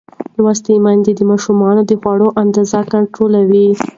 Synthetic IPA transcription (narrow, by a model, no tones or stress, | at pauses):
lwɑs̬t̪imand̪ed̪əmɑʃumɑnod̪əxwɑɽoʔand̪ɑzakaɳʈɾolawi